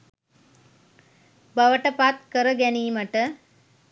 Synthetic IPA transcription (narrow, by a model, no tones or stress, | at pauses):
bɐʋəʈəpat̪kəɾəɡɛniːməʈə